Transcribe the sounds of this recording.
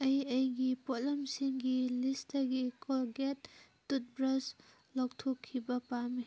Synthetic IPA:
ɐjɐjɡipolɐmsiŋɡilistɐɡikʰolɡetː | ut̚bɾɐs | lok̚tʰokʰːibɐpami

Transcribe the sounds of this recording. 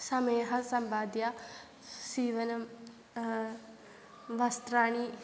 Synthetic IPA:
sɐmeːɦɐsɐmbaːd̪ja | siːʋɐnɐm | ʋɐst̪ɾaːɳi

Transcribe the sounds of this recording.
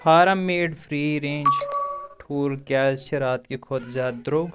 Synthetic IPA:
haːɾɐmːeːɖfɾiːɾẽːnd͡ʒʈʰuːlkɛːzʃɐɾaːt̪kikʰoːd̪zʲjaːd̪d̪ɾoːɡ

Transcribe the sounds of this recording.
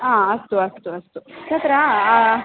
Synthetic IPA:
ãːɐst̪uɐst̪uɐst̪ut͡ʃʰat̪ɾa

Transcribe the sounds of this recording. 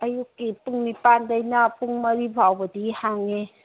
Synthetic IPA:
ɐjukːipuŋnipandəjnɐpuŋmɐɾibʱawbɐdihaŋe

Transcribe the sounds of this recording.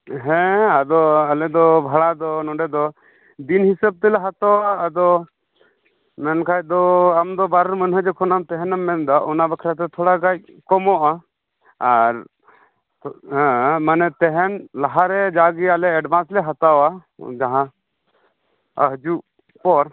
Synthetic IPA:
ɦɛ̃ad̪ɔalɛd̪ɔbʱaɭad̪ɔnɔ̃ɖɛd̪ɔ | d̪inhisəb̚t̪ɛlɛɦat̪ɔwaːd̪ɔ | mɛnkʰajd̪ɔamd̪ɔbaɾɛɾmənuɦəd͡ʒɛkʰɔnamt̪ɛɦɛnamːɛnd̪ɔʔɔnabəkʰɾat̪ɛt̪ʰɔɽaɡac̚ | kɔmɔʔa | aɾ | ɦɛ̃manɛt̪ɛɦɛnlaɦaɾɛd͡ʒaɡialɛɛɖbʱãnslɛɦat̪awad͡ʒaɦã | əɦd͡ʒu | pɔɾ

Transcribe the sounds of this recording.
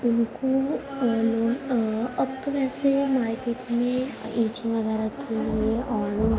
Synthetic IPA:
ʊnko | loːɡɐbt̪oʋɛːsemaːɾkeːʈmẽĩːt͡ʃẽʋɐɡɛːɾakʰːelieɔːo

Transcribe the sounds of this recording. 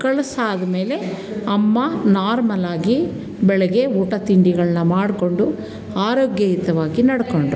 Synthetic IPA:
kɐɭɐsaːd̪ɐmeːle̞ | ɐmːɐnaːɾmɐlaːɡi | bɛɭɛɡe̞uːʈɐt̪iɳɖiɡɐɭɐnːɐmaːɽko̞ɳɖu | aːɾoːɡjɐjit̪ɐʋaːɡinɐɽɐkoɳɖu

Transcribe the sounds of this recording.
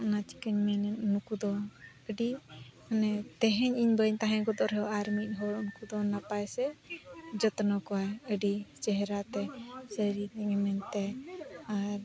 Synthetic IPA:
ʔnat͡ʃi̥kəɲmɛnɛnnukud̪ɔ | əɖi | nɛt̪ɛɦɛɲiɲbəɲt̪aɦɛ̃ɡɔd̪ɔʔɾɛɦɔaɾmic̚ˀɦɔɾunukud̪ɔnapajsɛ | d͡ʒɔt̪nɔkɔaəɖit͡ʃɛɦɛɾat̪ɛsəɾiɛŋɛmɛnt̪ɛaɾ

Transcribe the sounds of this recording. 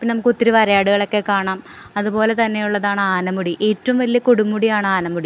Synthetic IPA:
pːnɐmukːot̪ːiɾuʋɐɾɐjaːɽuɣɐɭo̞kːe̞kaːɳaːm | ɐðupo̞ːle̞t̪ɐnːejuɭːɐðaːɳɨaːnɐmuɽiʔe̞ːtːɐʋumʋɐlijɐkoɽumːuɽijaːɳɨaːnɐmuɽi

